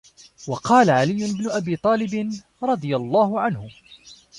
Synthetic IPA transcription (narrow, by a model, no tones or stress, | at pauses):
wɑqɑːlaʕalɪjːʊnɪbnʊʔabiːt̪ˤɑːlɪbɪn | ɾˤɑd̪ˤɨjalˤːɑːhʊʕanhʊ